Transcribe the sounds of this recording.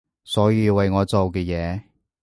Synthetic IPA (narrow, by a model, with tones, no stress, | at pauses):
sɔː˨˥jiː˧wɐ˨jŋɔː˨˧t͡so˨wkɛː˧jɛː˨˧